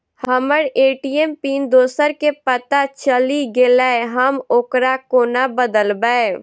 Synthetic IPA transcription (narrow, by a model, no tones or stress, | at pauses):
həməɾeːʈiempiːnd̪oːsəɾkepət̪at͡ʃəliɡelaeɦəmoːkɾakoːnabəd̪əlbəe